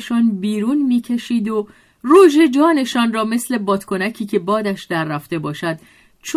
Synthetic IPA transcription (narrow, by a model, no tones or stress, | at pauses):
ʃɒːnbiːɾuːnmiːcʰe̞ʃiːd̪o | ruʒed͡ʒɒːne̞ʃɒːnrɒːme̞sle̞bɒːt̪kʰo̞næcʰiːcʰe̞bɒːd̪æʃd̪æɾːæft̪e̞bɒːʃæd̪̚ | t͡ʃʰ